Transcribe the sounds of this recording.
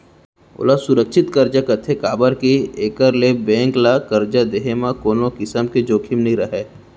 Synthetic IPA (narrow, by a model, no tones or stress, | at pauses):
o̰lasʊɾəkʃʰɪt̪kɐɾd͡ʒakɐt̪ʰekaːbəɾkieːkəɾlebẽːŋklakɐɾd͡ʒad̪eɦemãkoːnokɪsəmked͡ʒoːkʰɪmnɐĩɾɐɦeː